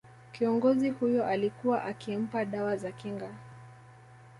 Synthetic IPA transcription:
kiɔŋɡɔzihujɔʔalikuwaʔakim̩paɗawazakiŋɡa

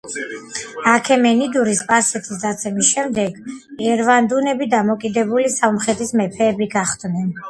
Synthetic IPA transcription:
akʰɛmɛnid̪uɾispʼasɛt̪ʰisd̪at̪sʰɛmisʃɛmd̪ɛɡɛɾvand̪unɛbid̪amɔkʼid̪ɛbulisamχɛt̪ʰismɛpʰɛːbiɡaχd̪nɛn

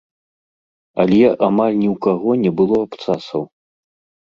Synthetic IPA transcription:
ɐlʲjaʔamalʲnʲiwkaɣɔnʲɛbɨlˠɔapt̪sasɐw

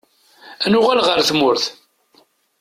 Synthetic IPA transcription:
ænʊʁælʁəɾθmʊɾθ

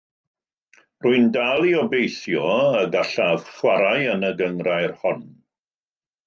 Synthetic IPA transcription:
rʊɨndalˠiɔbejθjɔəɡaɬav̥χwaɾajənəɡəŋrajrhɔn

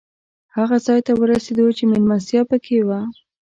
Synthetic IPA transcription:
haɣazɑjt̪awəɾased̪ot͡ʃemelmansjɑpəkʰewa

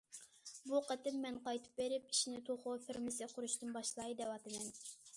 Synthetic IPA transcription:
buqʰət̪ɪmːɛnqɑjt̪ʰɨ̥p̚beɾɪpiʃinɪt̪ʰoχʊfɪɾmɪsɪqʰʊɾuʃt̪ɨnbɑʃlˠɑɨd̪ɛwɑt̪ʰɨmɛn

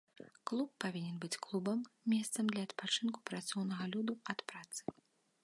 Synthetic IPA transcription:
klˠupːavʲinʲɛnbɨt͡sʲklˠubɐmːʲɛst̪sɐmd̪lʲɐːt̪pat͡ʂɨnku̥pɾat̪sɔwnɐɣɐlʲud̪uɐt̪pɾat̪sɨ̥

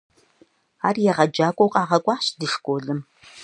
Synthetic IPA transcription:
aːrjɛʁɐd͡ʒaːkʷʼowqʼɑːʁɐkʷʼɑːɕdɨʂkʷʼoːɮɨm

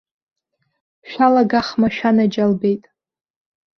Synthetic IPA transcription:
ʃᶣalaɡaχmaʃᶣanad͡ʒalbejtʼ

